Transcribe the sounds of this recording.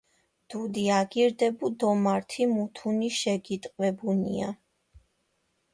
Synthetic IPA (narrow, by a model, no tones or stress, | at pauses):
d̪̥ud̪iaɡiɾd̪ɛbud̪ɔmaɾt̪ʰimut̪ʰuniʃɛɡit̪ʼqʼwɛbunḭa